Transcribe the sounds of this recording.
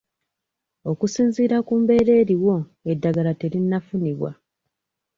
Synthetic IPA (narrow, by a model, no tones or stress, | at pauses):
o̞kusiːnziːɾakuːmbe̞ːɾe̞ːɾiwo̞edːaɡalate̞ɾinːafuniβwa̰